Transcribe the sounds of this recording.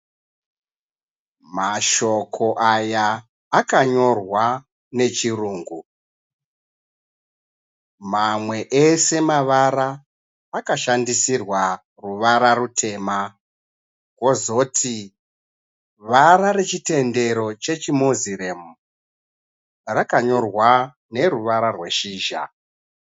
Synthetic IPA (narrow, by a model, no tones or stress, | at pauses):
maʃo̞kʰo̞ʔajaː | kaɲo̞rwa | ne̞t͡ʃiruːŋɡu | mamwe̞ʔese̞maʋaɾaː | kaʃandisirwa | ruʋaɾarutʰe̞ːma | ko̞zo̞tʰi | ʋaɾaɾe̞t͡ʃite̞nde̞ɾo̞t͡ʃe̞t͡ʃimoziremu | rakaɲo̞rwa | ne̞ruʋaɾarwe̞ʃiːʒa̰